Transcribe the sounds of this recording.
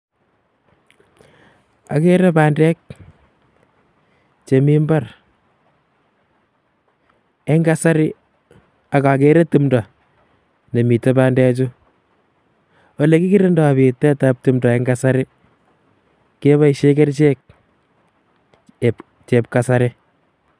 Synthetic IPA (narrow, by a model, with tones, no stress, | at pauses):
a̰˨keɾɛ˦paːndɛk̚ | t͡ʃe˨mi˦mba˦r | ɛŋɡa˦sa˦ɾɪ˦ | a˨ka˨k̬eɾe˦tu˦mdɔ˨ | ne˨mi˨tɛ˦paː˦ndɛ˦t͡ʃu | wɔ˨le˨ki˦ki˦ɾɪndɔ˨bi˨tɛ˦tap̚tumdɔ˨ɛŋɡasa˦ɾɪ˦ | ke˦βa˦iʃekɛ˦ɾt͡ʃeː˦k̚ | t͡ʃe˨p̚ka˨sa˦ɾɪ